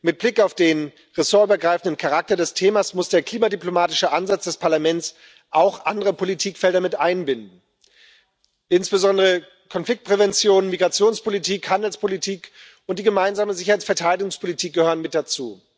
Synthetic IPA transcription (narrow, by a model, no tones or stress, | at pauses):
mɪt̚b̥lɪkaʊfd̥eːn | ʁesoːɐyːbɐɡʁaɪfn̩dənkʰaʁak̚tɐdɛstʰeːmasmʊsd̥eːɐkl̥iːmadyplomaːtɪʃəʔanzat͡sd̥ɛspʰaɐlamɛnt͡s | ʔaʊxʔandəʁəpʰolitʰiːkfɛldɐmɪtʔaɪnbɪndn̩ | ʔɪnsb̥əzɔndəʁə | kʰɔnflɪk̚t̚pʁ̥ɛvɛnt͡sjoːnnmiɡʁat͡sjoːnspʰolitʰiːkhandl̩spʰolitʰiːk | ʊnt̚d̥iːɡəmaɪnzaːməzɪçɐhaɪt͡ssfɛɐtʰaɪɾdɪɡʊŋspʰolitʰiːk̚ɡ̥əhøːʁənmɪt̚d̥at͡sṵː